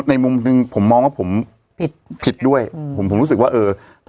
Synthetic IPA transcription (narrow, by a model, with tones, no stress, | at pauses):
t̪̚na˧jmu˧mnɯ˧ŋpʰo˩˦mːɔː˧ŋwaː˥˩pʰo˩˦m | pʰt̪̚pʰi˨˩t̪̚du˥˩əjʰo˩˦mpʰo˩˦ɾu˦˥s̬ɯ˨kwaː˥˩ʔɤː˧ | t